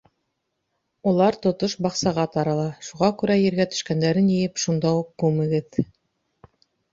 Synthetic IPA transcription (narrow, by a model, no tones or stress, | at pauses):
ulˠɑɾt̪ŏt̪oʃbɑqsɑʁɑt̪ɑɾɑlˠɑʃuʁɑkʉɾæjɘ̆ɾɡæt̪ɵ̥̆ʃkænd̪æɾɘnjɘ̆jɘpʃund̪ɑuq̚kʉmɘ̆ɡɘð